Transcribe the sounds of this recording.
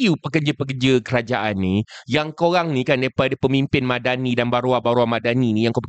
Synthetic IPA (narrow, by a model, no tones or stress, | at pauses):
iupəkərd͡ʒəpəkərd͡ʒəkəɾad͡ʒaʔanːijaŋkoɾaŋnĩkandaɾipadapəmimpɪnmãdanidanbaɾuabaɾuamadaninĩjaŋkap